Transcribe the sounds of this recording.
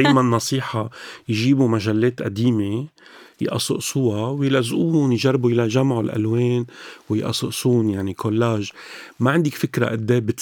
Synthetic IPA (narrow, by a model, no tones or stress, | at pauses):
eːjmanːɑsˤiːħajʒiːbumaʒalːeːt̪ʔa̰d̪iːme | jʔɑ̰sˤʊ̰ʔsuːawjɪlʔazʔuːʊnjʒarˤːbujɪlaʒamʕulʔa̰lweːnwɪjʔɑ̰sˤʊʔsuːnjaʕnikʰolːaːʒmaʕɪnd̪ikfɪkɾa̰ʔɪd̪ːeːbɪt̪